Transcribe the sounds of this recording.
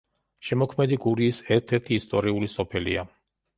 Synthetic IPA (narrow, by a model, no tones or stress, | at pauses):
ʃɛmɔkʰmɛd̪iɡuɾiːsɛɾt̪ʰɛɾt̪ʰiːst̪ʼɔɾiulisɔpʰɛlḭa